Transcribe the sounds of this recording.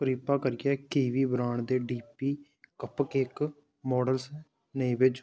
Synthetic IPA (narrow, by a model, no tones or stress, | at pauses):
pəɾiːpaːkəɾɪɛːkeːʋiːbɾaːɳd̪eːɖiːpiː | kəpkek | mɔːɖəlsɛː | nəĩːʋɪt͡ʃ